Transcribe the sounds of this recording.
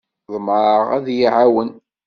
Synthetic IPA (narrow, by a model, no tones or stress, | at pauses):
ðˤməɾˤʁæ̰ðjiʕawən